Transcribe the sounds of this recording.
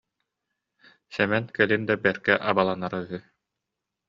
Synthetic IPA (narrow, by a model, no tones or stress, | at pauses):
sɛmɛnkɛlind̪abɛɾkɛʔabalˠanaɾayɦy